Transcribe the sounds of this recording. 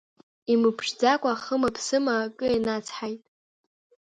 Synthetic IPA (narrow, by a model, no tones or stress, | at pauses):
imɨpʰʂd͡zakʷʼaχəmapʰsɨmakʼɨenat͡sʰħajtʼ